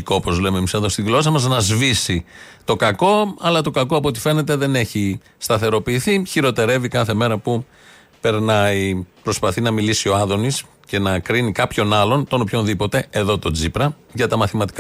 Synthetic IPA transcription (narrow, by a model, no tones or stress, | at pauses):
kopo̞zle̞memiseðost̪iɣlo̞sɐmɐznɐzvisit̪o̞kɐko̞ɐlɐt̪o̞kɐko̞ɐpot̪i̥fe̞ne̞t̪̬e̞ðe̞ne̞çi | st̪ɐθe̞ɾo̞piːθiçiɾo̞t̪e̞ɾe̞vikɐθe̞me̞ɾɐpu | pe̞ɾnɐipɾo̞spɐθinɐmilisio̞ɐðo̞nis | ce̞nɐkɾinikɐpço̞nɐlo̞nt̪o̞no̞pço̞nðipo̞t̪e̞eðo̞t̪o̞d͡zipɾɐ | ʝɐt̪ɐmɐθimɐt̪i̥k